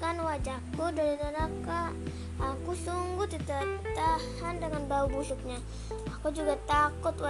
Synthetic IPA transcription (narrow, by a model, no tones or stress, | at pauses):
kanwad͡ʒakːudaɾid̪anaka | akusuŋɡut̪it̪at̪ahandəŋanbaubusʊk̚ɲa | akud͡ʒuɡat̪akʊt̪wa